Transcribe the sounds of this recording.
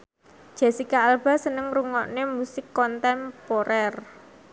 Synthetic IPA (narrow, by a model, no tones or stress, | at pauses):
d͡ʒ̥a̤sikaalb̥a̤sənəŋruŋɔ̰ʔnemusɪkːɔnt̪ɛmpoɾʔɛr